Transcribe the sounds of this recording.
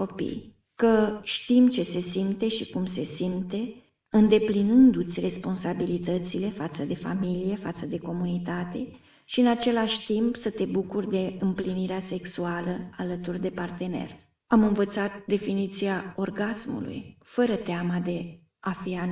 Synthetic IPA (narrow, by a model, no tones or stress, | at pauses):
ko̞pḭj | kəʃt̪imt͡ʃe̞se̞simt̪e̞ʃikumse̞simt̪e̞ | ɨnd̪e̞plinɨnd̪ut̪sʲre̞spo̞nsabilit̪ət̪sile̞fat̪səd̪e̞fa̰milije̞fat̪səd̪e̞ko̞munit̪at̪e̞̰ | ʃiɨnat͡ʃe̞laʃʲt̪impsət̪e̞bukurʲd̪e̞ɨmpliniɾease̞ksualəalət̪urd̪e̞part̪e̞ne̞̰r | amɨnvət̪sat̪̚d̪e̞finit̪siao̞rɡasmṵlṵjfəɾət̪eamad̪e̞ | afia